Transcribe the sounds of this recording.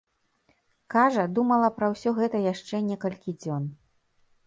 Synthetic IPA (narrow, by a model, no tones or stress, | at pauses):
kaʐɐd̪umɐlˠɐpɾɐwsʲɔɣɛt̪ɐjaʂt͡ʂɛnʲɛkɐlʲkʲid͡zʲɔn